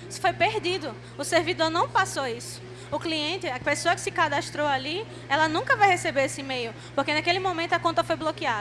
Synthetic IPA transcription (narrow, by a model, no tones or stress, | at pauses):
sɪ̥fojpeɾd̪id̪ʊ | ʊseɾvid̪oɾnɐ̃w̃pasoisʊ̥ | ʊkliẽnt̪ɪɐpesoɐkɪ̥sɪkad̪aʃt̪ɾowali | ɛlɐnũkɐvajhesebeɾesɪmejʊ | pohkenakelɪmõmẽnt̪ʊɐkõt̪ɐfojblokiad̪